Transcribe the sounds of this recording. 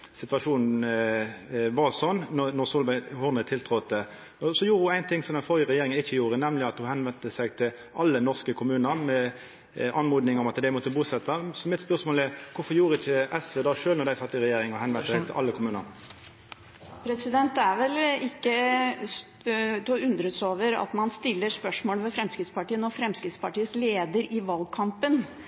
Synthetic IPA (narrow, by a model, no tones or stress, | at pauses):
sɪt̪ʋɑʂuːnn̩ | ʋɑsɔnːnɔʁsɔːlhʊʁnət̪ʰɪlt̪ʰɾɔt̪ə | ɔsɔjuːɾəhʊæɪnt̪ʰɪŋsɔmd̪ɛnfɔɾjəɾɛjeːɾɪŋnɪçːəjuːɾənɛmlɪɑt̪hʊhɛnʋɛnt̪əsæɪt̪ʰɪl | ʔɑlːənɔʁskəkʰʊmʉːnəɾmɛ | ʔɑnmuːd̪nɪŋɔmɑt̪d̪æɪmɔt̪əbuːsɛt̪ʰːɑsɔmɪt̪spœʁsmoːlɛkʰʊfɔʁjuːɾəɪçəʔɛsʋeːd̪ɑːʂøːlnɔʁd̪æɪsɑt̪ːəɪɾɛjeːɾɪŋɔhɛnʋɛnsɛt̪ɪlʔɑlːəkʰʊmʉːnə̰ɾ | pʰɾɛsɪd̪ɛnt̪æɾʋɛlɪkːə | t̪ʉnd̪ɾət̪soːʋəɾɑ̰t̪mɑnst̪ɪlːəɾʂpœʂmoːlʋɛfɾɛmskɪt̪spɑʈiːənɔfɾɛmskɾɪt̪spɑʈiːəsleːd̪əɾɪʋɑlɡ̚kʰɑmpən